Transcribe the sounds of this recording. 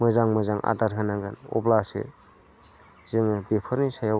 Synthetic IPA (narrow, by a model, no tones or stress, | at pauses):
mɯzaŋmɯzaŋʔa̰daɾɦʰɯnaŋɡɯnɔ̰blasɯ̰ | zɯŋɯbepʰɯɾnisaja